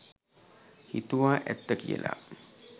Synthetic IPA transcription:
hit̪uʋaːʔɛt̪ːəkijə̰lʔa̰

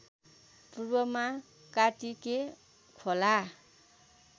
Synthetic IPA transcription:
prubʌma | kaʈike | kʰola

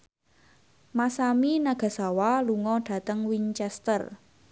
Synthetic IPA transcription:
masaminaɡ̥a̤sawaluŋɔɖ̥ä̤t̪əŋwiɲt͡ʃɛst̪ər

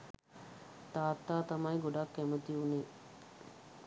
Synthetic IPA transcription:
t̪aːt̪ːaːt̪ɐmajɡoɖɐkːemut̪iʋuniː

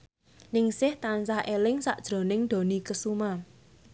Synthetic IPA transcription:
nɪŋsɪht̪ansahʔelɪŋsaʔd̥ʒ̥ɾo̤nɪŋd̪̥o̤nikəsuma

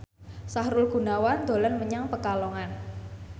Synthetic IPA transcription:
sahɾʊlɡ̥ṳnawand̪̥o̤lənməɲaŋpəkalɔŋan

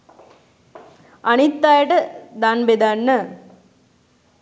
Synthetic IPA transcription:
ɐnɪt̪ːaːjʈɐd̪aːnbed̪aːnːɐ

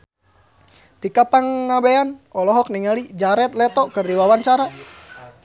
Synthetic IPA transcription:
t̪ikapaŋːabeanʔɔlɔɦɔk̚niŋalid͡ʒaɾɛt̪̚lɛt̪ɔkərdiwawant͡ʃaɾa

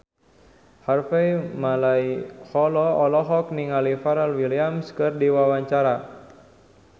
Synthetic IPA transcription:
harfɛjmalaihɔlɔɔlɔɦɔk̚niŋalifaɾalwiliamskɨrdiwawaɲt͡ʃaɾa

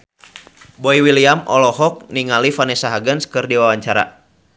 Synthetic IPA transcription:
bɔiwiliamɔlɔɦɔk̚niŋalifanɛsaɦaɡənskɨrdiwawaɲt͡ʃaɾa̰

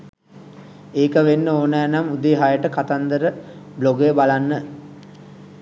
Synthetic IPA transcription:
eːkəʋenːəoːnæːnamud̪eːɦajəʈəkat̪and̪əɾəbloɡejəbalanːə

